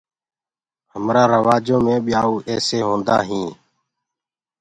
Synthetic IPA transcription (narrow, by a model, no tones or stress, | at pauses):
həmɾaːɾəʋaːd͡ʒõːmẽːbiːaːuːʔɛːseːɦõːnd̪a̰ːɦĩː